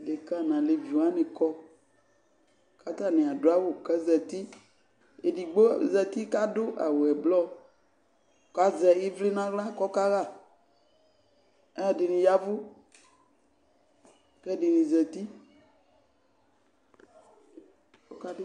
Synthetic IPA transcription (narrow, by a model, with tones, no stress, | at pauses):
le˨ka˦nã˨le˨vi˨ã˦nẽ˨kɔ˦ | ka˦t̪a˦nẽ˨a˨do˦a˦wo˦˨kɛ˦zɛ˨t̪i˦ | e˨di˨ɡ͡bo˦˨zɛ˨t̪i˦ka˦do˦ʔa˨wo˨ɛ˨blɔ˦˨ | ka˦zɛ˨i˦vle˦nã˦ɣla˦kɔ˦ka˦ɣa˦˨ | ɛ˦a˨de˨nĩ˨ja˦vu˦ | kɛ˦de˨nĩ˨zɛ˨t̪i˦ | o˦ka˦